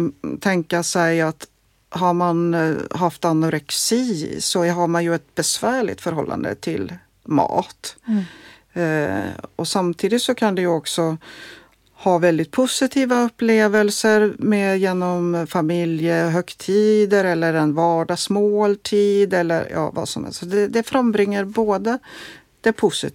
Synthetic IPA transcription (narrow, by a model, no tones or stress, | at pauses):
t̪ʰɛŋkasɛjat̪ | ɦaɾmanɦaft̪anːʊɾɛksiːsɔɦaɾmanjɵɛt̪̚bɛsvæːɭɪ̰t̪fœɾɦɔlːʔa̰nd̪ə̰t̪ʰɪ̰l | mɑ̰ːt̪ | ɔsamt̪ʰiːd̪ɪt̪sɔkʰand̪ɛjɵɔksɔ | hɑːvɛld̪ɪt̪̚pʰʊsɪt̪ʰiːvaɵpːleːvəlsəɾmɛjeːnɔmfamɪljəɦœkt̪ʰiːd̪əɾɛlːəɾɛnvɑːɖɑsmoːlt̪ʰiːd̪ɛlːə̰ɾjɑ̰ːva̰sɔmhɛ̰lsɔd̪ɛd̪ɛfɾambɾɪŋːəɾboːd̪ə | d̪̥ɛpʰʊsɪ